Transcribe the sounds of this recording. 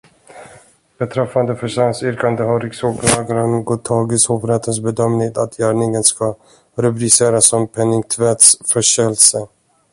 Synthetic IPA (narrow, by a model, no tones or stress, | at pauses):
b̥ɛt̪ʰɾɛfːand̪əfœʂansʏɾkand̪əɦaɾɪksoːɡlɑːɡaɾənɡɔt̪ʰɑːɡɪshofəɾɛt̪əns̬bɛd̪œmnɪŋt̪at̪ʰjæːɳɪŋənska | ɾɛpɾɪseːɾasːɔmpʰɛnːɪŋt̪ʰvɛt̪sfœʂɛlsə